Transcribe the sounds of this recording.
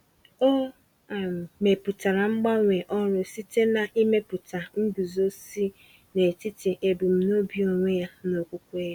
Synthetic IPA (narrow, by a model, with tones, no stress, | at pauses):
o˦˨ | me˨pu˨ta˨ɾa˨ŋ͡m̩˦ɡ͡ba˦ŋʷe˨ʔɔ˦ɾʊ˦si˦te˦na˨ʔi˦me˦pu˨ta˨ŋ̩˦du˨zo˦si˦ | ne˨ti˦ti˨ʔe˨bu˨m̩˦no˦bi˦o˨ŋʷe˦ja˦no˨kʷu˦kʷe˦je˦